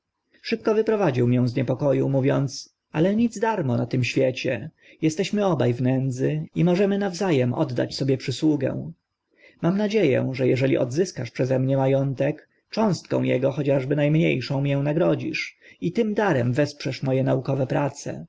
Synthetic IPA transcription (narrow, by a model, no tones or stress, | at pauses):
ʂɘp̚kɔvɘpɾɔvad͡ʑiwmʲjɛ̃w̃zɲɛpɔkɔjumuvʲjɔnt̪s | alɛɲid̪zd̪aɾmɔnat̪ɘmɕfʲjɛt͡ɕɛ | jɛst̪ɛɕmɘɔba̰jvnɛnd̪zɘimɔʐɛmɘnavzajɛmɔ̰d̪ːa̰t͡ɕsɔbʲjɛpʂɘswuɡɛ̰w̃ | mamnad͡ʑejɛ̰ʐɛjɛʐɛlʲḭʔɔ̰d̪zɘskaʂpʂɛzɛmɲɛmajɔnt̪ɛk | t͡ʂɔ̃w̃st̪̚kɔ̰̃w̃jɛ̰ɡɔxɔt͡ɕaʐbɘnajmɲḛjʂɔ̃w̃mjɛw̃naɡɾɔd͡ʑḭʂit̪ɘmd̪aɾɛmvɛspʂɛʂmɔjɛnaukɔvɛpɾat̪sɛ̰